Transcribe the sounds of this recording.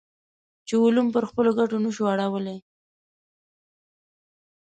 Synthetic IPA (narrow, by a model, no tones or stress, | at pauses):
t͡ʃeulumpəɾxpəloɡaʈonəʃuaɽawəle